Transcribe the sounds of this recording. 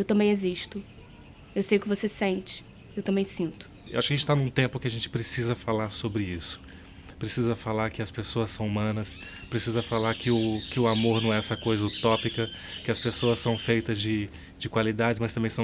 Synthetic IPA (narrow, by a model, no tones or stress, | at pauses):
ewt̪ɐ̃mbẽj̃eziʃt̪ʊ | ewsejʊkɪvosesẽnt͡ʃɪ̥ | ewt̪ɐ̃mbẽj̃sĩnt̪ʊ̥ | ewaʃʊkɐʒẽt͡ʃɪt̪anũt̪ẽmpʊkɪaʒẽnt͡ʃɪ̥pɾesizɐfalaɾsobɾɪisʊ̥ | pɾesizɐfalaɾkɪɐspesoɐssɐ̃w̃umɐ̃nɐs | pɾesizɐfalaɾkɪʊkɪʊamoɾnɐ̃w̃ɛɛsɐkojzɐʊt̪ɔpikɐ | kɪɐspesoɐsːɐ̃w̃fejt̪ɐzd͡ʒɪ | d͡ʒɪkwalid̪ad͡ʒɪzmɐst̪ɐ̃mbẽj̃s